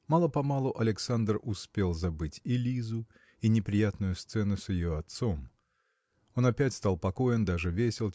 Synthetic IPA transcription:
malˠəpɐmalˠʊʔɐlʲɪksand̪rʊspʲe̞lˠzɐbɨtʲɪlʲizʊ | inʲɪpɾʲɪjat̪nʊjʊst̪sɛnʊsʲjɪjoɐt̪so̞m | o̞nɐpʲætʲst̪alˠpɐko̞jɪnd̪aʐɨvʲesʲɪlˠ

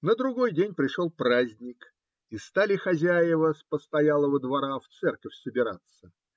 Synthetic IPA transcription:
nəd̪ɾʊɡo̞jdʲenʲpɾʲɪʂolˠpɾazʲnʲɪk | ist̪alʲɪxɐzʲæjɪvəspəst̪ɐjalˠəvəd̪vɐɾaft̪sɛrkəfʲsəbʲɪɾa̰t̪sə

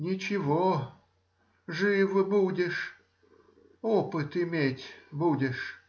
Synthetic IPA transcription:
nʲɪt͡ɕɪvo | ʐɨvɨbudʲɪʂ | opɨt̪ɪmʲetʲbudʲɪʂ

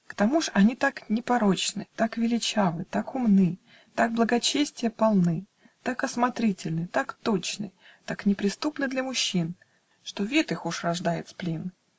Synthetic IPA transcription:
kt̪ɐmuʐɐnʲit̪aknʲɪpɐɾo̞t͡ɕnɨ̰t̪akvʲɪlʲɪt͡ɕavɨt̪akʊmnɨ | t̪aɡ̚blˠəɡɐt͡ɕesʲtʲɪjəpɐlˠnɨ | t̪akɐsmɐt̪ɾʲitʲɪlʲnɨt̪akt̪o̞t͡ɕnɨ̰ | t̪aknʲɪpɾʲɪst̪upnɨd̪lʲɐmʊɕːin | ʂt̪o̞vʲet̪ɨxuʂrɐʐd̪ajɪt̪splʲin

